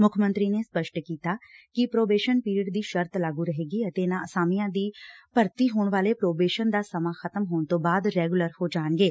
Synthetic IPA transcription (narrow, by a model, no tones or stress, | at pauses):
mʊkʰmə̃nt̪ɾiːneːspəʃʈkiːt̪aːkɪpɾoːbeːʃənpiːɾiɪɖd̪iːʃəɾt̪laːɡuːɾəɦeːɡiːət̪eːnãːəsaːmijãːd̪iːpəɾt̪iːɦoːɳʋaːleːpɾoːbeːʃənd̪aːsəmaːxʰət̪əmɦoːɳ̃t̪õːbaːd̪ɾɛːɡʊləɾhoːd͡ʒaːnɡeː